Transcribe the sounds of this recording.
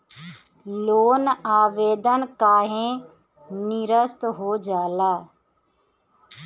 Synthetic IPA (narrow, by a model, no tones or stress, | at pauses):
loːnaːʋeːd̪ənkaːɦẽː | nɪɾəst̪ɦoːd͡ʒaːlaː